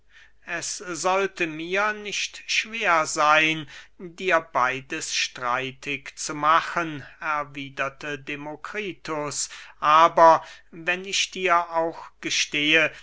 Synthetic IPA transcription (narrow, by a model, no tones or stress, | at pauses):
ʔɛsz̥ɔltəmiːɐnɪçtʃv̥eːɐzaɪndiːɐbaɪdəsʃtʁ̥a̰ɪtʰɪkt͡sumaxənʔɛɐviːdɐtʰədemokʁ̥iːtʊsʔaːbɐvɛnɪçd̥iːɐʔaʊxɡ̥əʃteːə